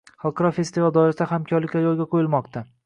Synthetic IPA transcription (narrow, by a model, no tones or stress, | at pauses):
χɑlˠqʰɑɾɒfe̞st̪ɪvalˠd̪ɒɾasahamkʲʰɒɾlɪkʲlajɒlˠɡʲaqʰojɪlmɒqt̪ʰa